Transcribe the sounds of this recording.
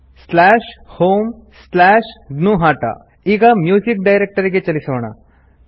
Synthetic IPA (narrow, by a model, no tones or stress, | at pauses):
slaʂhoːmslæːʂɡnuːɦaːʈa̰ | iːɡamjuːd͡ʒik̚ɖajɾek̚ʈəɾiɡet͡ʃɐlisɐʋɐɳ̃a̰